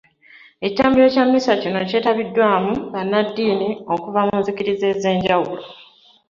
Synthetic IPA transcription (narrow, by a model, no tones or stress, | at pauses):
e̞ci̥taːmbiɾe̞ːcamːisacinoce̞ːtaβidːwaːmuβanːadːiːnio̞kuvamuːnziciɾize̞ːze̞ːɲɟawulo̞